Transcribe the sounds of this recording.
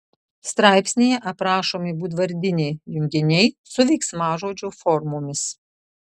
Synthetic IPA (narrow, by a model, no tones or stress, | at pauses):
st̪ɾɑˑɪpʲsʲnʲejɛʔɐpɾɑːʃoːmʲɪbuːt̪̬ʋɐɾʲd̪ʲɪnʲɛɪjʊŋʲɡʲɪnʲɛɪsʊʋʲɛɪksmɑːʒoːd͡ʒʲoːfɔɾmoːmʲɪs